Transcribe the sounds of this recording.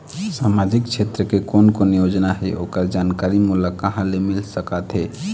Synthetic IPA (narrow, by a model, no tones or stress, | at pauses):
samad͡ʒikt͡ʃʰet̪ɾəkekonkonijod͡ʒnaɦɛʔokəɾd͡ʒankaɾimuləkːəɦãlemilsəkət̪ɦɛ